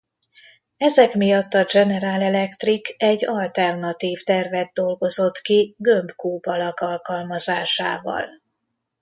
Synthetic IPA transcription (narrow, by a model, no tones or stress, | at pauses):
ɛzɛkmijɒt̪ːɒd͡ʒɛnɛɾaːlɛlɛkt̪rikɛɟːɒlt̪ɛrnɒt̪iːft̪ɛrvɛd̪̚d̪o̞lɡo̞zo̞t̪kiɡømpkuːbɒlɒkɒlkɒlmɒzaːʃa̰ːvɒ̰l